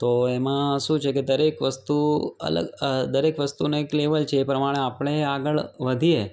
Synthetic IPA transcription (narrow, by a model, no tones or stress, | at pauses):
t̪oemãʃũt͡ʃʰeked̪əɾekʋəst̪uə̰lə̰ɡəd̪əɾekʋəst̪unekleʋəlt͡ʃʰeːpɾəmaɽ̃eapɽ̃eaɡəɭʋəd̪ʱie